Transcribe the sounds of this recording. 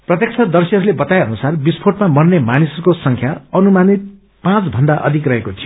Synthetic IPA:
prʌt̪jek̚t͡sʰʌd̪ʌrsʌɦʌɾulebʌt̪aeʌnusarbispʰoʈmamʌrnemanisʌukosʌŋkʰjaʌnumanit̪̚ | pãt͡sbʱʌnd̪aʔʌ̰d̪ʱikrʌɦekot̪ʰijo

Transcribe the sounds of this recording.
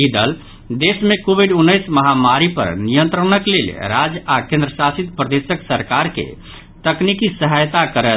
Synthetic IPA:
id̪əl | d̪esmekobʱiɖunːəjsməɦamaɾipə̰ɾnijənt̪ɾənəklḛlɾad͡ʒakẽnd̪ɾəsasit̪pɾəd̪esəksəɾkaɾkḛ | t̪əknikisəɦajt̪akəɾə

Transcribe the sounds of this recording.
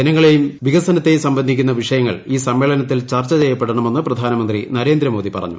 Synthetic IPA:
d͡ʑenɐŋːɐɭe̞jumʋiɡɐsɐnɐt̪ːe̞jumsɐmbɐnd̪ʱikʲːunːɐʋiʂɐjɐŋːɐ̰ɭiːsɐmːe̞ːɭɐnɐt̪̬ːilt͡ɕɐrt͡ɕːɐt͡ɕejːɐpːeɽɐɳɐme̞nːɨprɐd̪ʱaːnɐmɐnd̪rinɐɾe̞ːnd̪ɾɐmoːd̪ipɐ̰rɐ̰ɲːṵ

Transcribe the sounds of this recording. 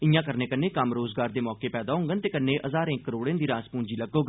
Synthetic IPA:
ɪjãːkəɾneːkənːẽːkəmɾoːzɡaːɾd̪eːmɔːkeːpɛːd̪aːɦʊ̃ŋɡənt̪eːkənːẽːʔəzaːɾẽːkːəɾoːɽẽːnd̪iːɾãːspũːɲd͡ʒiːləɡoːɡ

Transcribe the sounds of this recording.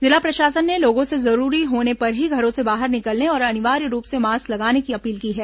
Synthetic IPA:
zɪlapɾɐʃaːsənːeloːɡõsezɐɾuːɾiɦoːnepɐɾɦiɡʱɐɾõsebaːɦəɾnɪkəlneɔːɾɐnɪʋaːɾiɾuːpsemaːsklɐɡaːnekiɐpiːlkiɦɛː

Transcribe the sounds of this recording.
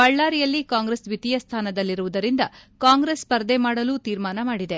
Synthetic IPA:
bɐɭːaːɾijɐlːikaːŋɡɾesʋit̪ijɐst̪ʰaːnɐd̪ɐlːiɾuʋud̪ɐɾind̪ɐkaːŋɡɾespɐɾd̪emaːɽɐluːt̪iːɾmaːnɐmaːɽid̪e̞

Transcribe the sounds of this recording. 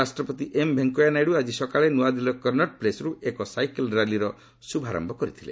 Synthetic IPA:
asʈɾɔpɔt̪iʔembʱeŋkojanajɽuad͡ʒisɔkaɭenuad̪ilɔkɔɾnɔʈ̚plesɔɾuekɔsajkelɾaliɾɔ | subʱaɾɔ̰mbʱɔkɔɾit̪ʰilḛ

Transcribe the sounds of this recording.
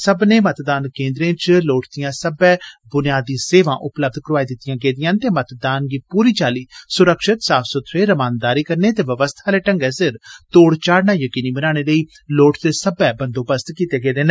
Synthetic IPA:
səbneːmət̪d̪aːnkẽːnd̪ɾẽːt͡ʃloːʈd̪ɪjãːsəbɛːbʊnɪjaːd̪iːseːʋãːʔʊpləb̚d̪kəɾʋaːiːd̪ɪt̪ːɪjãːɡeːd̪ɪjãːnt̪eːmət̪d̪aːnɡiːpuːɾiːt͡ʃaːliːsʊɾəkʃɪt̪saːpʰsɔːt̪ʰɾeːɾəmaːnd̪aːɾiːkəɾneːt̪eːʋəʋəst̪ʰaːleːʈəŋɡɛːsɪɾt̪oːɽt͡ʃaːɽnaːjəkiːniːbənaːɽ̃eːləiː | loːʈd̪eːsəbɛːbənd̪õːbəst̪kiːt̪eːɡeːd̪eːn

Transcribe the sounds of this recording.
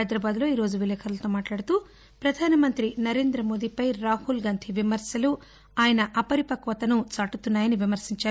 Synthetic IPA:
jd̪ɾɐbaːd̪lo̞ːiːɾo̞ːd͡ʒuʋileːkʰɐɾɐlt̪oːmaːʈlaːɽɐt̪u | pɾɐd̪ʱaːnɐmɐnt̪ɾinɐɾe̞ːnd̪ɾɐmo̞ːd̪ipɐjɾaːhulɡaːnt̪ʰiʋimɐɾsjɐlu | aːjɐnɐʔɐpɐɾipɐkʋɐt̪ɐnut͡ʃaːʈut̪unːaːjɐniʋimɐɾsiɲt͡ʃaːɾu

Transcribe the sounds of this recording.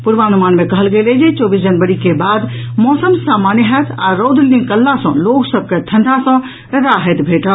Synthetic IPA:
puɾʋaənumaːnmekəɦəlɡeled͡ʒet͡ʃɔːbis̬d͡ʒənbəɾikebaːd̪mɔːsəmsamanɦət̪ʰa̰ɾod̪ʱlĩkəlːasə̰̃loksəb̚ʱket̪ʰənd̪ʱasə̃ | ɾaɦɛt̪bʱeʈə

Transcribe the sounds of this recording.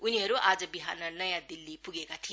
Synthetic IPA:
ujniɐɾuʔad͡ʒɐbiɦanɐnɐjadilːipuɡeɡatʰi

